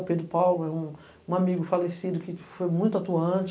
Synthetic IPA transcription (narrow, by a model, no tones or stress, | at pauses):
ped̪ɾʊpawlʊɛũ | ũamiɡʊfalesid̪ʊkɪfojmũj̃t̪ʊat̪uɐ̃t͡ʃ